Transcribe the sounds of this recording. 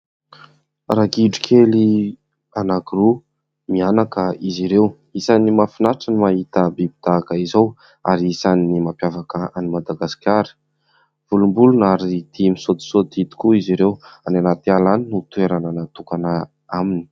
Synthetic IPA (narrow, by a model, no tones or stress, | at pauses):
raɡiɖ͡ʐikʰeli | anakiru | mianakəiziɾew | isanimafinaɾaʈ͡ʂənimaɦit̪əbibid̪̥akəizow | a̰ɾiisaninimampjavakəanimad̪aɡasi̥kʲaɾə̥ | v̥ulumbulunaɾid̪̥imisod̪i̥sod̪it̪i̥kuiziɾewananat̪ialaninut̪ueɾananat̪ukanə | amini̥